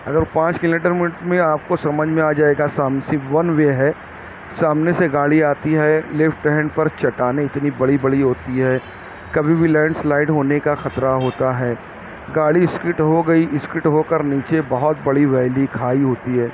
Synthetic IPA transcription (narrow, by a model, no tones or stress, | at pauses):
ɐ̰ɡəɾpãːt͡ʃkɪlomiʈəɾmɪnɪʈmẽaːp̚kosɐməd͡ʒʱmẽaːd͡ʒaːeɡasaːmsiʋɐnʋeɦɛː | saːmneseɡaːɽiaːt̪iɦɛlɪfʈɛɦɛnpɐɾt͡ʃɐʈaːneɪt̪nibɐɽibɐɽiɦoːt̪iɦɛː | kɐbʱibʱilɛ̃ːɳɖslaːɪɖɦoːnekaxɐt̪ɾaɦoːt̪aɦɛː | ɡaːɽiɪskɾɪʈɦoɡɐiʔɪskɾɪʈɦokɐɾniːt͡ʃebɐɦɔt̪̚bɐɽiʋɛːlikʰaːiɦoːt̪iɦɛː